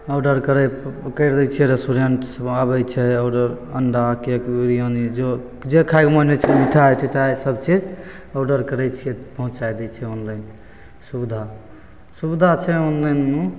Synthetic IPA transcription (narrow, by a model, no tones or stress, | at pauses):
əwɖəɾkəɾɛkəɾd̪ɛt͡ʃʰijɛɾesʈuɾeɳʈsabɛt͡ʃʰɛaɖəɾəɳɖakekiɾijonid͡ʒo | d͡ʒekʰajkmənet͡ʃʰɛmit̪ʰajt̪ʰit̪ʰajsəb̚t͡ʃid͡ʒ | awɖəɾkəɾɛt͡ʃʰiɛpəɦũt͡ʃajd̪ɛt͡ʃʰɛonlən | subd̪ʱa | subd̪ʱat͡ʃʰɛonlənːu